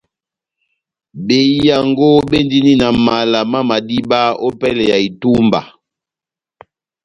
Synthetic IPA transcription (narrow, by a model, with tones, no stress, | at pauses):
be˨i˦ja˨ŋɡo˦be˦ndi˦ni˦na˨ma˨la˨ma˦ma˨di˦ba˦o˦pɛ˦lɛ˨ja˨i˨tu˦mba̰˨